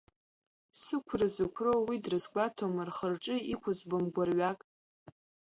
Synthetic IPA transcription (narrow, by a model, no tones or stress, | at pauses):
sɨkʷʰrɨzɨkʷʰrowidrɨsɡʷatʰomarχərʈ͡ʂʼɨikʷʰʊzbomɡʷarɥakʼ